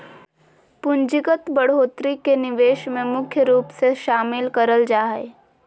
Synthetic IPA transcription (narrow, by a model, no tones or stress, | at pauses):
pʊ̃nd͡ʒɪɡət̪bəɽ̤oːt̪ɾikenɪʋeːʃmẽmʊkʰjəɾuːpseʃaːmɪlkəɾəld͡ʒaːɦḛ